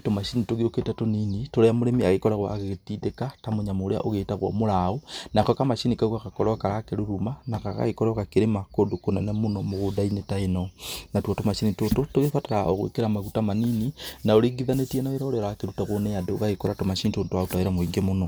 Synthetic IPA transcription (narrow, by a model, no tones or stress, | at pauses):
tomaʃinitoɣiɾoketatoninitoɾeamoɾemiaɣekɔɾaɣwaaɣetidekatamoɲamoɾea̰ʔoɣetaɣwo̰molaonakokamaʃinikawakakɔɾakaɾakeɾuɾumanakaɣa̰ɣekoɾoɣakeɾemakodokonanamonomoɣodainetaenonatwatomaʃinitototoɣefataɾao̰ɣo̰ḭkeɾamaɣutamanininaoɾiɡiðanetienaeɾaoɾeɾakeɾutaɣonejadoɣaɣekoɾatomaʃinitontoaotaeɾamwiŋɡemono